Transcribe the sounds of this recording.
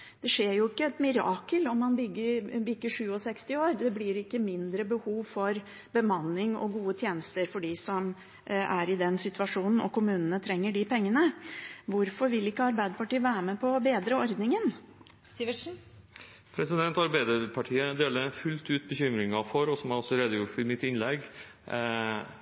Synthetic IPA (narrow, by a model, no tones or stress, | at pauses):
d̪̥ɛʂeːɾjʊɪkːəɛt̪mɪɾɑːkəlɔmːɑnbʏɡːəbʏɡːəʂʉːɔsɛkst̪ɪoːɾd̪ɛblɪɾɪkːəmɪnd̪ɾəbəhuːʋfɔɾ | bəmɑnːɪŋɔ̰ɡuːət̪ʰjeːnəst̪əɾfɔɖisɔm | æɾɪd̪ɛnsɪt̪ʉɑʂuːnn̩ɔ̰kʰʊmʉːnənət̪ʰɾɛŋːəɖɪpʰɛŋːənəʋʊɾfɔɾʋɪlɪkːəɑɾbæɪd̪əpɑʈiːəʋæːɾmɛpʰɔbeːd̪ɾəɔɾd̪nɪŋən | pʰɾɛsɪd̪ɛnt̪ɑɾbæɪd̪əpʰɑʈʰiːəd̪eːləɾfʉlt̪ʉːt̪̚bəçʏmɾɪŋɑfɔɾɔsɔmæɾɔsɔɾeːd̪əjʊʈfɪmɪt̪ɪnlɛɡ